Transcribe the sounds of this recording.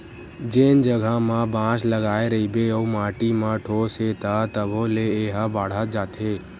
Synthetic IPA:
d͡ʒeːnd͡ʒəɡʱamãbãsləɡaːeɾəibeoumãːʈimãʈʰoːset̪at̪əbõleeːɦəbaːɽ̤ət̪d͡ʒaːt̪eː

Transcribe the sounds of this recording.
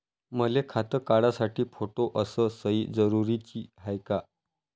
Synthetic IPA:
məlekʰat̪əkaɽasaʈiːfoʈoʔəsəsəiːd͡zəɾuɾit͡ɕiːɦajka

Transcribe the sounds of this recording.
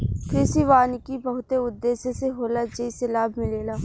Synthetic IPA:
kɾɪsiʋaːnikibɐɦʊt̪eʊd̪ːeːseseɦoːlad͡ʒeiselaːbʱmɪleːlaː

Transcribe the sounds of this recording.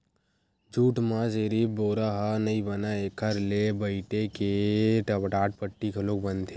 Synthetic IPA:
d͡ʒuːʈmãd͡ʒeːɾiboːɾaɦanɐibənaekʰəɾlebəɪʈekeʈɐbʈaːʈ̚pəʈːikʰɐloːkbənd̪ʰe

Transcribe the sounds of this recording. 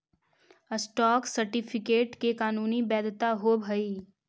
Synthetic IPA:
əsʈɔːksɐɾʈɪpʰɪkeːʈkekaːnuːnibɛːd̪t̪aɦobʱɐi

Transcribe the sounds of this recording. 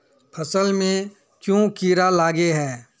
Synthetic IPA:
pʰɐsəlmẽ | kjõkiːɾalaːɡeɦɛː

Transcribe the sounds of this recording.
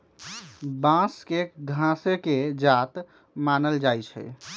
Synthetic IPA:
bãskeɡʱãseked͡ʒat̪ | manəld͡ʒajt͡ʃʰɛ̰

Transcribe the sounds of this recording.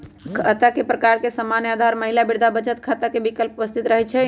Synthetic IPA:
kʰət̪akepɾəkaɾkesəmanjad̪ʱaɾməɦilabiɽd̪ʱabət͡ʃət̪kʰat̪akebikəlpupəst̪ʰit̪ɾəɦɛt͡ʃʰɛ

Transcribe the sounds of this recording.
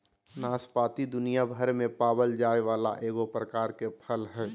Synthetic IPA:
naːspaːt̪id̪ʊnijabʱəɾmẽpaːbəld͡ʒaːeʋaːla̰ʔeːɡopɾəkaːɾkepʰəlɦɛː

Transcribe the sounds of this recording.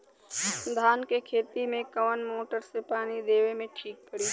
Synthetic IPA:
d̪ʱaːnkekʰeːt̪imẽkɐʋənmoːʈəɾsepaːnid̪eːʋemẽʈʰiːk̚pəɽiː

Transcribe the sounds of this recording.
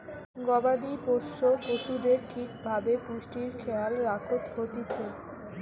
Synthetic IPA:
ɡɔbad̪ipoʃːokoʃud̪eɾʈʰikbʱabepuʃʈiɾkʰealɾakʰot̪hot̪it͡ɕʰe

